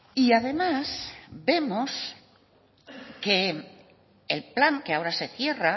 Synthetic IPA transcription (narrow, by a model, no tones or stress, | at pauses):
iaðe̞masbe̞mos | ke̞ | lplaŋke̞ao̞ɾase̞θje̞ra